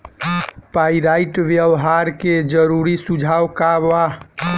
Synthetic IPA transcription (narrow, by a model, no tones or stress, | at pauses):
paiɾaiʈʋjəʋɦaɾked͡ʒəɾuɾisud͡ʒʱawkaʋa